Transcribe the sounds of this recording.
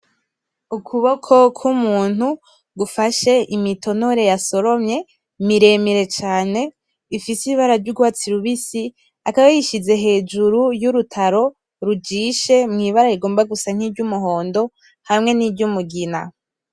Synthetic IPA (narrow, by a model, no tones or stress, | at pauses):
ukʰuβo̞kʰo̞kʰumuːn̥hu | ɡufaʃe̞ʔimito̞noɾe̞jaso̞ɾo̞mɲe̞ | miɾe̞miɾe̞t͡ʃaːne̞ | ifisiiβaɾavɟuɡwaːt͡siɾuβisi | akaβajiʃize̞ɦe̞ːd͡ʒuɾujuɾutʰaɾo̞ | ɾud͡ʒiʃe̞mŋiːβaɾaɾiɡo̞ːmbaɡusaŋ̥hiːbɟumuɦo̞ːndo̞ | hamŋe̞nibɟumuɡina̰